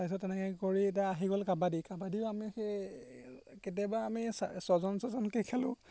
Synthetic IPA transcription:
sajs̬ɔtːɛnɛkɛkoɹiɛtaːɦiɡɔlkabadikabadiʊamixe | ket̬abaːmisasɔzɔnsɔzɔnkekʰalʊ̰̃

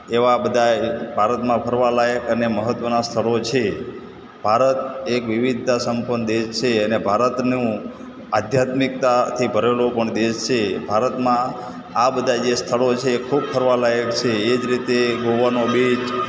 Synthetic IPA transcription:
eʋabəd̪ʱabʱaɾət̪mãpʰəɾʋalajəkəneməɦət̪ʋənast̪ʰəɭot͡ʃʰe | b̥ʱaɾət̪ekʋiʋid̪ʱasəmpənd̪eʃt͡ʃʰeənebʱaɾət̪nũ | ad̪ʱjat̪mik̚t̪at̪ʰibʱəɾelopəɳd̪eʃt͡ʃʰebʱaɾət̪mã | abəd̪ʱad͡ʒest̪ʰəɭot͡ʃʰekʰub̚pʰəɾʋalajəkt͡ʃʰeːd͡ʒɾit̪eɡoʋanobit͡ʃ

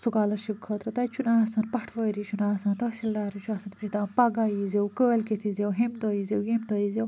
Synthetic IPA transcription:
sukaːlɐɾʃip̚kʰɐːt̪ɾɐt̪ɐjt͡ʃʰunaːsɐnpɐʈʰʋɐːɾit͡ʃʰunaːsɐnt̪ɐsilːaːɾit͡ʃʰuaːsɐnpit͡ʃit̪aːnpɐɡaːjizewkəːlkit̪ʰizewɦemd̪oːjizewjemd̪ɐjizew

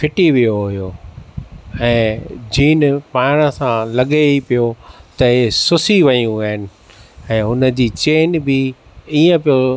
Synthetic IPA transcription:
fʰɪʈiʋijoɦʊjoː | ɛ̃ːd͡ʑiːnpaːɪɽ̃əsãlɐɠeipijot̪ɐɦɪsʊsiʋɐjũaːɦɪnɪ̆ | ɛ̃ːɦʊnə̆d͡ʑiːt͡ɕeːnbɪ | iːə̃pijo

